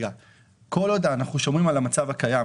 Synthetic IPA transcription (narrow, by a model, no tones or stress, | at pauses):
ɡa | ko̞lod̪aːnaχuʃomimalamat͡savakaja